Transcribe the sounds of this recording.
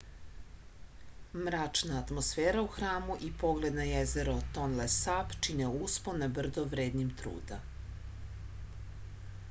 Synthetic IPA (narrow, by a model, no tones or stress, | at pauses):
mɾat͡ʃnaːt̪mosfeːɾauxɾaːmuʔipo̞ɡle̞d̪najezeɾot̪onlesapt͡ʃineusponabr̩d̪oʋɾeːd̪ɲimt̪ɾṵːd̪a